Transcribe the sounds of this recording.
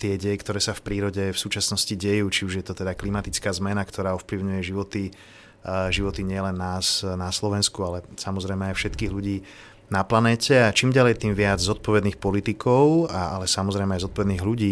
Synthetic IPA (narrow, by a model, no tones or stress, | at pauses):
t̪ɪɛɟɛjɛkt̪ɔɾɛːsafpɾiːɾɔɟɛfsuːt͡ʃasnɔsciɟɛjuːt͡ʃiuʒjɛt̪ɔt̪ɛd̪aklimat̪it͡skaːzmɛnakt̪ʰɔɾaːɔfpliʊɲujɛʒiʋɔt̪i | ʒiʋɔt̪iɲɪɛlɛnːaːsnaslɔʋɛnskualɛsamɔzɾɛjmɛajfʃɛt̪kiːɣluɟiː | naplanɛːcɛat͡ʃiːmɟalɛjt̪iːmʋɪad͡zzɔt̪̚pɔʋɛd̪niːxpɔlit̪ikʰɔʊaa̰lɛsamɔzɾɛjmɛajzɔt̪̚pɔʋɛd̪niːɣluɟiː